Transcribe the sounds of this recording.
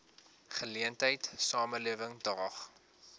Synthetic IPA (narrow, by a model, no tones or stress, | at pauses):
χəliəntɦəjtsɑːməliəvəŋdɑːχ